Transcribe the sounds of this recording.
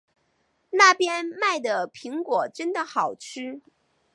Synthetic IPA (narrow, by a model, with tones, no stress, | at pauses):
na˥˩pjɛ˥nma˥˩ɪd̪ə˩pʰi˧˥ŋkwɔ˨˩ʈ͡ʂə˥nd̪ə˨xɑ˨˩ʊʈ͡ʂʰɻ̩˥